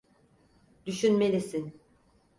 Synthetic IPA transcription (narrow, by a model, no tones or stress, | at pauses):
d̪yʃynmelʲisin